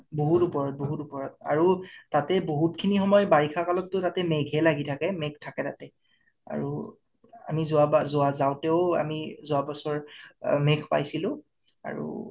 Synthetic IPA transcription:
boɦutupɔɹɔt̚boɦutupɔɹɔt̚a̰ɹutatɛboɦutkʰinixɔmɔjbaɹikʰakalɔtːʊtatɛmeɡʱɛlaɡitʰakɛmek̚ʰtʰakɛtatɛ | a̰ɹu | a̰mizʊabazʊazawtɛʊa̰mizʊabɔsɔɹmekʰpa̰jsilʊ̃ | a̰ɹṵ

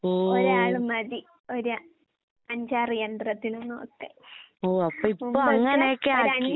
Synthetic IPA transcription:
oːoɾaːɭɨmɐði | oɾa | ɐɲd͡ʑaːrijɐnd̪rɐt̪ːinumno̞̰ːkːɨoːɐpːoːipmːoːɐŋːɐneeːkːeaːɾɐknːi

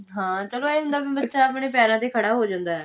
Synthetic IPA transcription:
ɦãːt͡ʃəlõːɛːɦʊ̃nd̪aːbibətːʃaːəpɳeːpɛːɾãːt̪eːkʰəɽaːɦoːd͡ʒãːnd̪aːɛː

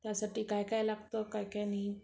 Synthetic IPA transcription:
t̪jasaʈiːkajkajlaɡt̪okajkajnaɦi

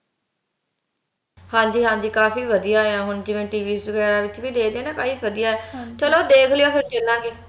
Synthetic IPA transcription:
hãːd͡ʒiːɦãːɲd͡ʒiːkaːpiːʋəd̪ijaːeaːɦʊnd͡ʒɪʋẽʈiːʋiːsʋɪɡɛːɾaːʋɪt͡ʃʋiːd̪eːd̪ẽːnãːkaːiːʋəd̪ijaːɛːt͡ʃəloːd̪eːkʰlɪjoːpʰɪɾt͡ʃelːãːɡeː

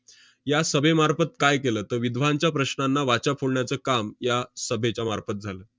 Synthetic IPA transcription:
jasəbʱemaɾfət̪kajkeləːt̪əɾʋid̪ʱʋ̤aɲt͡ɕjapɾəɕnanːaʋat͡ɕafʰoɽɳjat͡səːkamjasəbʱet͡ɕjamaɾfət̪̚d͡zʱaləː

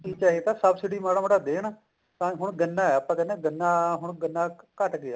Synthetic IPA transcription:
kiːt͡ʃaːɦet̪aːsəbsɪɽiːmaːɽãːməɽaːd̪eːnaː | t̪ãːɦʊɳɡənːãːɛːəpːãːkɛnẽːɡənːaːɦʊɳɡənːaːkəʈɡɪaː

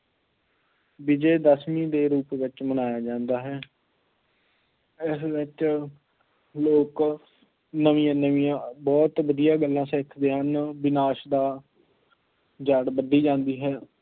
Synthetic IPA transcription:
bɪd͡ʒeːd̪əsmĩːd̪eːɾuːpʋɪt͡ʃmənaːjaːd͡ʒãːnd̪aːɦɛː | ɪsʋɪt͡ʃ | loːk | nəʋĩjãːnəʋĩjãːbɔːt̪ʋəd̪ijaːɡəlːãːsekʰd̪eːɦənbɪnaːʃd̪aː | d͡ʒəɽbəd̪iːd͡ʒãːnd̪iːɦɛː

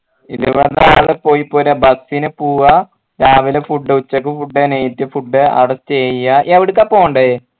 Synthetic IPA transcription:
iðɨʋɐɽðaːɭɨpoːjipːoːɾɐbɐsinɨpuːɣɐ | ɾaːʋilefuɖːɨut͡ɕːɐk̬ːɨfuɖːenejitːɨfuɖːɨɐ̰ɽɐstt͡ɕeːjjɐʔɐʋiɽɨk̬ːɐpːoːɳɖe

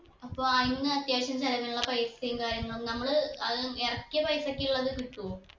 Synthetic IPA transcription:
ɐpːoajinːɨɐt̪jaːɕɐmsɐlɐmiluɭːɐpɐjsɐɐjumkaːɾjɐŋːɐɭumnɐmːɐɭɨɐðɨerɐkʲːɨpɐjsɐkʲːiuɭːɐðɨkiʈːu

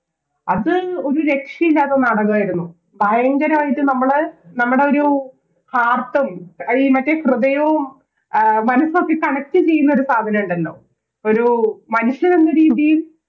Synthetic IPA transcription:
ɐðɨo̞ɾuɾe̞kʂiilːaːt̪ːɐnɐɽɐɣaːjiɾunːu | bʱɐjɐŋɡɐɾɐmaːjitːɨnɐmːɐɭɨnɐmːuɽe̞o̞ɾu | haːrt̪ːɐmɐɻimɐʈːekrɨðɐjɐʋum | mɐnɐsokːekɐɳɐk̚tːɨt͡ɕe̞jːunːɐo̞ɾusaːd̪ʱɐnɐmuɳɖɐlːo̞̰ː | o̞ɾumɐnuɕːɐnenːɨɾiːðijil

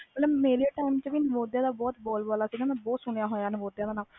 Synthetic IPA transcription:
mət̪ləbmeːɾeːʈaːimt͡ʃʋiːnəʋoːd̪jaːd̪aːbɔːt̪bɔːlbɔːlaːsiɡãmɛ̃ːbɔːt̪sʊɳ̃ejaːɦoːjaːnəʋoːd̪jaːd̪aːnaːl

